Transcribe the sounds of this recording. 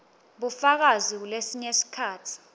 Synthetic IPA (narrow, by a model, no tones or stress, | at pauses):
ɓufak̬aziulesiɲesi̥kʰaːtʰi̥